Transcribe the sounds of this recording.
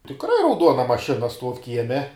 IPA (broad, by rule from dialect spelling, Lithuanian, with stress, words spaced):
tʲɪkˈrɐɪ rɐʊˈduɔnɐ mɐˈʃʲɪnɐ ˈstuɔw ˈkʲiɛmʲɛ